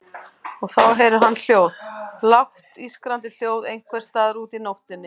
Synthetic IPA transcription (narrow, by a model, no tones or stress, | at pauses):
ɔɣθawɦɛɾʏɦanːl̥joːwðlawht̪iskɾant̪ɪl̥joːwðejŋ̥kʰvɛɾ̥st̪aːðɾuːt̪inowht̪ɪnːɪ